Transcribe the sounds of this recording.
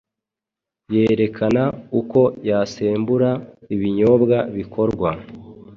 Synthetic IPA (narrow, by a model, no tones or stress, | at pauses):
jeːɾe̞kʰanauko̞jaseːmbuɾaiβiɲo̞bɡaβikʰo̞ɾɡwa